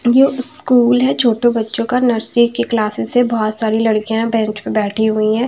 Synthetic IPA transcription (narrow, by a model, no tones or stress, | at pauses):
jeskuːlɦɛt͡ʃʰoːʈõbɐtːʃõkanəɾsɾikiklaːsɪːebɔɦːt̪saːɾilɐɽkijãbɛ̃ːt͡ʃpẽbɛːʈʰiɦʊiɦɛ̃ː